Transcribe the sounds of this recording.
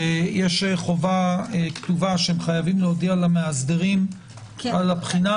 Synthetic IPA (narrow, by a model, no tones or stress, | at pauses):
jeʃeχo̞vaektuvaʃeemχajavimleod̪ialameazd̪eʁim | alapχina